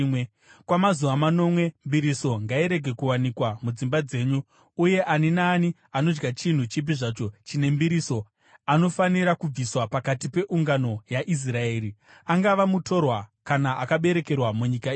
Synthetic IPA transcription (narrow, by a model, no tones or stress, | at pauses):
kwamazuʋamano̞mwe̞mbiɾiso̞ŋɡaiɾe̞ɡʱe̞kuwanikwamud͡zimbad͡ze̞ːɲu | uje̞ʔaninaːni | ano̞d͡ʒɡat͡ʃin̤ut͡ʃip̬iʐaːt͡ʃo̞t͡ʃine̞mbiɾiso̞ | ano̞faniɾakub͡viswapakatipe̞ʔuŋɡano̞jaʔis̬rae̞ːɾi | aŋɡaʋamuto̞rwakanaʔakaɓe̞ɾeke̞rwamuɲikae